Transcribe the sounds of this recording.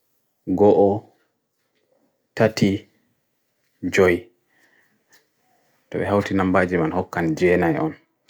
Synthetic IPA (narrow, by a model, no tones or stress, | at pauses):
ɡɔʔɔ | tati | d͡ʒɔj | tɔbɛɦawtinambaːd͡ʒimanhɔkːand͡ʒɛːnajʔɔ̰n